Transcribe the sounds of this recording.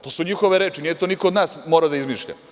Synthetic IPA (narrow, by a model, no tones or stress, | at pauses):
t̪o̞ːsuɲixo̞ʋeɾeːt͡ʃinijet̪onikood̪naːsmoːɾad̪aizmiʃʎa̰